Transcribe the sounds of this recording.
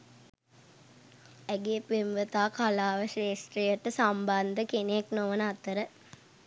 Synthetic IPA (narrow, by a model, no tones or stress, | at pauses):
æɡepemʋət̪aːkalaːʋəʃeːsʈɾejəʈəsamband̪əkeneeknoʋənəat̪əɾə